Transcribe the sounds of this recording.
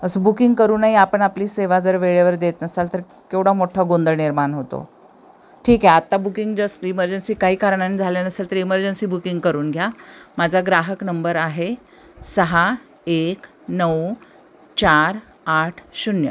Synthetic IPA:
əsəbukiŋɡkəɾuːnaɦiapəɳapliːseʋad͡zəɾʋeɭeʋəɾd̪et̪nəsalt̪əɾ | kewɽamoʈʰaɡond̪əɾniɾmaɳɦot̪o̰ | ʈʰiːkɦɛat̪ːabukiŋɡd͡ʑəsiməɾd͡ʑənsiːkaɦiːkaɾɳaniːd͡zʱalenəselt̪əɾiməɾd͡ʑənsiːbukiŋɡkəɾuːnɡʱjamad͡zʱaɡɾaɦəknəmbəɾaɦe | səɦa | ek | nəw | t͡ɕaɾ | aʈʰɕunjə

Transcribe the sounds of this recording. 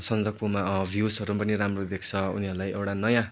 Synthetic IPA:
sʌnd̪ʌpumabʱjusʌɾupʌniɾamrod̪ekʰt͡sʰʌṵniɦʌɾulajewʈanʌjã

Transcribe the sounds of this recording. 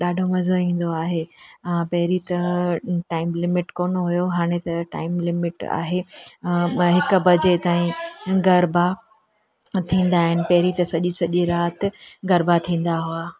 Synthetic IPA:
ɗaːɖʱomɐzoĩːn̆d̪oaːɦeãpɐɦɪɾit̪ɐʈaːɪmlɪmɪʈkoːnoɦʊjoɦaːɽ̃et̪ɐʈa̰ːɪmlɪmɪʈa̰ːɦe | ɦɪkʊ̆bɐd͡ʑet̪aːĩɡɐɾba | t̪ʰĩːn̆d̪aːɦɪnɪ̆pɐɦɪɾit̪ɐsɐʄisɐʄiɾaːt̪ɪ̆ɡɐɾbat̪ʰĩːn̆d̪aɦuaː

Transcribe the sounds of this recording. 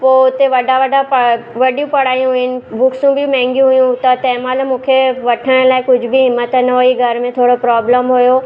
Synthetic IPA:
poːʊt̪eʋɐɖaʋɐɖapɐʋɐɖijũpɐɽ̤aːjũɦʊɪnɪ̆bʊkʰsũbʱɪmɛ̃ːŋɡjũɦʊjũt̪ɐt̪ɛ̃ːmaːlmũːkʰeʋɐʈʰəɽ̃laːɪkʊd͡ʑʱʊbʱɪɦɪmːət̪nɐɦoiɡʱɐɾmẽt̪ʰoːɽopɾaːbləmɦʊjo

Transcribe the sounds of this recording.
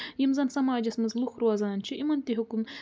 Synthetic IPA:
jimzɐnsɐmaːd͡ʒɐsmɐzluxɾuaːzanɐnt͡ʃʰiʔimɐnt̪iɦukum

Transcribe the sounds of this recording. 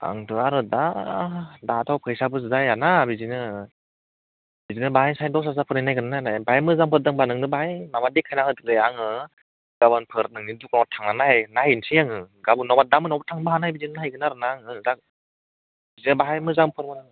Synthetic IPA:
a̰ŋtʰɯaɾɯda | datʰawkʰɯjsabɯszajanabizinɯ | bizinɯbaɦajnsajdɔs̬as̬apʰɯɾnanajɡɯnanajnajbahamɯzampʰɯt̚daŋbanɯŋdɯbaɦajmamadekʰːajnahɯdɯk̚lejaŋɯ | ɡ̥abɯnpʰɯɾt̚nɯŋniduk̚nɔmatʰaŋnanahajnahinsijaŋɯɡabɯnɔmadamɯnɔwbatʰaŋbaɦanajbizinɯnaajɡɯnaɾɯnaŋɯzak̚ | bizinɯbaɦajmɯzampʰɯɾmɯnɯŋ

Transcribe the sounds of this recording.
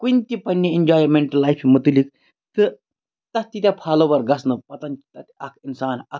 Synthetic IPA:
kunt̪ipɐnjɐend͡ʒaːjɾmeɳʈɐlːajfimət̪ulik̚ | t̪ɨ | t̪ɐst̪it̪ʲapʰaːloʋɐɾɡɐsnɐpɐt̪ɐnt̪ɐt̪ɐkʰinsaːnɐ̰k

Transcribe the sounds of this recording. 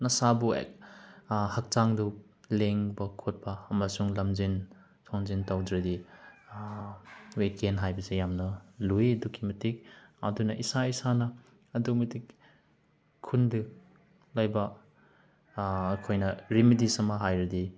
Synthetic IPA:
nɐsabṵk̚ | hɐk̚taŋdu | leŋbɐkʰot̚pɐːmɐsuŋlɐmzin | tʰoŋzintawdɾɐdi | wekenɦajbɐsejamnɐluedukʰimɐtik̚ɐ̰dunɐʔisaisanɐː | dumɐtik | kʰːundɯ | lajbɐ | kʰojnɐɾimidisɐmɐɦajɾɐdi

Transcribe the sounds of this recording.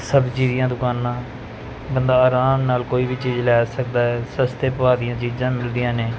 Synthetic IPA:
səbt͡ʃiːd̪ɪjãːd̪ʊkaːnãː | bənd̪aːaːɾaːmnaːlkoːiːbiːt͡ʃiːzlɛːsəkd̪aːɦɛːsəst̪eːpəʋaːd̪ɪjãːt͡ʃiːd͡ʒãːmɪld̪ɪjãːneː

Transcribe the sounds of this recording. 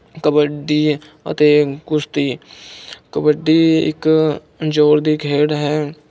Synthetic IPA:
kəbəɖiː | ə̰t̪eːɡʊst̪iː | kəbəɖːiɪ̰k | d͡ʒoːɾd̪iɡʱeːɽɦɛː

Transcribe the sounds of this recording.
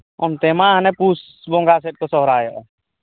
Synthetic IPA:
ont̪eːmãːɦnepuːs | bõːŋɡaːs̬eʈ̚kosɔɦɾaːjoʔ

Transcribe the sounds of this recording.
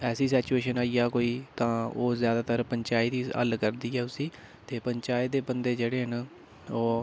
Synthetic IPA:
ɛːsiːs̬ɛːt͡ʃuːeːʃənaːijaːkoːiːt̪ãːoːzjaːd̪aːt̪əɾpəɲt͡ʃaːɪt̪iːə̰lkəɾd̪iːɛːʊsĩː | t̪eːpəɲt͡ʃaːɪd̪eːbənd̪eːd͡ʒeːɽeːɦən | oː

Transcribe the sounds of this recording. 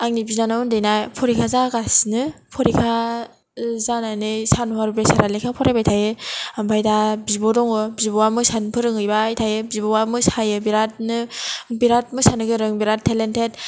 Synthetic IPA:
aŋnibizanaɯndɯjnajpʰɔɾikʰazaɡasinɯpʰɔɾikʰa | zananɯsanɦaɾbɾesaɾalekʰapʰɔɾajbajtʰajɯambʰajdabibɔdɔŋɯbibɔwamɯsanpʰɯɾɯŋɯjbajtʰajɯbibɔwamɯsajɯbiɾat̚nɯbiɾat̚mɯsanɯɡɯɾɯŋbiɾatʰːelentʰet̚

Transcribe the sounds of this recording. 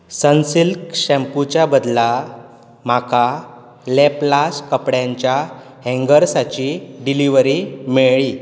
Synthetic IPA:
sənsilkɕɛ̃mput͡ɕjabəd̪la | m̤aka | lɛplaskəpɽjãɲt͡ɕja | ɦɛ̃ŋɡəɾsat͡ɕiɖiliʋɾimeɭɭi

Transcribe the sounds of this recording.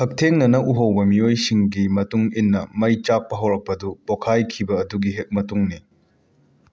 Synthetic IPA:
hʰɐk̚tʰeŋnɐnɐʔuɦɐwbɐmiojsiŋɡimɐtuŋinːɐmɐjt͡ʃak̚pɐɦɐwɾɐk̚pɐdupokʰajkʰibɐːduɡiɦek̚mɐtuŋni

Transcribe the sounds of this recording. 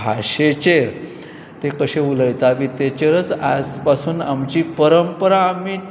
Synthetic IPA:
aɕet͡ɕeɾ | t̪ekəɕeuləjt̪aʋit̪et͡ɕeɾət͡sa̰d͡zpasuːna̰mt͡ɕiːpəɾəmpəɾaːmiː

